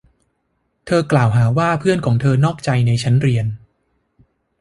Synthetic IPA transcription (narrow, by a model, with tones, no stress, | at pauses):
t̪ʰɤː˧klaː˨˩wɦaː˩˦waː˥˩pʰɯ˥˩ənkʰɔː˩˦ŋt̪ʰɤː˧nɔː˥˩k̚t͡ɕa˧jna˧jt͡ɕʰa˦˥nɾi˧ən